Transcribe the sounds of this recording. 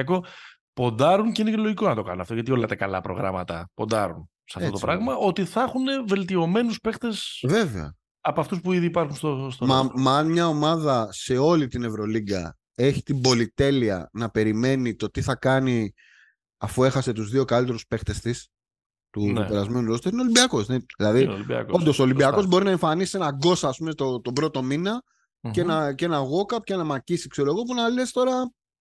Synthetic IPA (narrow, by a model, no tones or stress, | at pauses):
ɐko | po̞nd̪ɐɾunceineceloʝikonɐt̪o̞kɐ̰nunɐft̪oʝɐt̪io̞lɐt̪ekɐlɐ̰pɾo̞̰ɣɾɐ̰mɐt̪ɐpo̞nd̪ɐɾun | sɐftot̪pɾɐɣmɐo̞t̪iθɐxune̞ve̞lt̪io̞me̞nuspe̞xt̪esve̞veɐ̰ | ɐpoɐft̪uspuiðiːpɐɾxunst̪ost̪oɐmnmɲɐo̞mɐðɐse̞o̞lit̪ine̞vɾo̞liɡɐ | e̞çit̪imbo̞lit̪e̞liɐ̰nɐpe̞ɾime̞nit̪o̞t̪iθɐkɐni | ɐfue̞xɐse̞t̪uzðio̞kalit̪e̞ɾuspe̞xt̪e̞st̪is | t̪ut̪upeɾɐzme̞nulost̪eɾineolimbiɐko̞seðilɐðiɐ̰kond̪osolimbiɐko̞zbo̞ɾinɐe̞ɱfɐnisienɐɡo̞sɐːspumet̪ot̪obɾo̞t̪o̞minɐ | enɐcenɐɣo̞kɐpcenɐmɐcisikseɾoɣop̬unɐle̞st̪o̞ɾɐ